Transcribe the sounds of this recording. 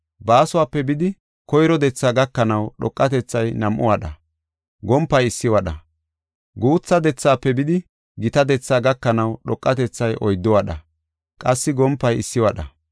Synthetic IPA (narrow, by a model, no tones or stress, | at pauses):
baːsʊwaːpːɛbɪd̪ɪ | kɔjɾɔd̪ɛt͡sːaːɡɐkːɐnɐwɗɔkʼːɐt̪ɛt͡sːɐjnɐmʔɔ̰waɗɐ | ɡɔmpːɐjɪsːɪwɐɗɐ | ɡuːt͡sːɐd̪ɛt͡sːaːpːɛbɪd̪ɪ | ɡɪt̪ɐd̪ɛt͡sːaːɡɐkːɐnɐwɗɔkʼːɐt̪ɛt͡sːɐjʔɔjd̪ːɔwɐɗɐ̰ | kʼɐsːɪɡɔmpːɐjɪsːɪwɐɗɐ